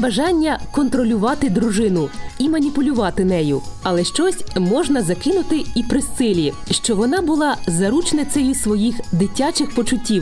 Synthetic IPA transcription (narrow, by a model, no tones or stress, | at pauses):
bɐʒɑnʲːɐkɔnt̪ɾɔlʲʊʋɑt̪ɪd̪ɾʊʒɪnʊimɐnʲipʊlʲʊʋɑt̪ɪnɛjʊɐlˠɛʃt͡ʃɔsʲmɔʒnɐzɐkɪnʊt̪ɪipɾɪst̪sɪlʲiʃt͡ʃɔʋɔnɑbʊlˠɑzɐɾut͡ʃnɪt̪sɛjisʋɔjixd̪ɪtʲːat͡ʃɪxpɔt͡ʃʊtʲːiw